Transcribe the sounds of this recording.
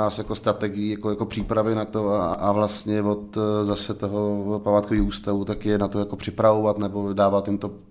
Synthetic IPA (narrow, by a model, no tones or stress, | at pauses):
aːsjako̞st̪ɾat̪ɛɡɪjijakojako̞pr̥iːpɾavɪnat̪oaʔavlast̪ɲɛvot̪zasɛt̪oɦopamaːt̪koviːxuːst̪avut̪akjɛnat̪o̞jako̞pr̥ɪpɾavo̞vat̪nɛbo̞daːvat̪jɪmt̪o̞